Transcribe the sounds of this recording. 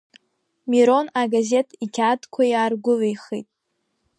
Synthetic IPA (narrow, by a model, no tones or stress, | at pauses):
miɾo̞naɡaze̞tʰikʲʰadkʷʰajaːrɡʷʊlejχijtʼ